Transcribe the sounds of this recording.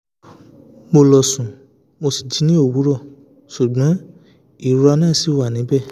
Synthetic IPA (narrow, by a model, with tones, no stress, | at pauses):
mo˧lɔ˨sũ˨ | mo˧si˨d͡ʒi˨˦nĩ˦o˦˨wu˨˦ɾɔ˦˨ | ʃu˨ɡ͡bɔ̃˨˦ | i˦˨ɾɔ˧nãː˦˨si˨˦wa˦˨nĩ˨˦bɛ˦˨